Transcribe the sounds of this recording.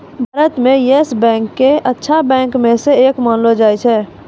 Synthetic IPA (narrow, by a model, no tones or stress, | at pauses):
bʱaɾət̪mẽjesbɛ̃ŋkːeʔətːʃʰabɛ̃ŋkmeseːkmənlod͡ʒajt͡ʃʰɛː